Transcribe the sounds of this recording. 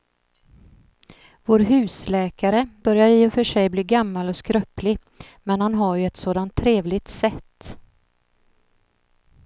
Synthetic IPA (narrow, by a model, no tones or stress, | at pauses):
voːɾɦʉ̟ːslɛːkaɾəbœɾjaɾiːɔfœʂɛjbliːɡamːalɔskɾœplɪ | mɛnhanɦaɾjɵɛt̪soːd̪ant̪ʰːɾeːvlɪt̪sɛt̪ː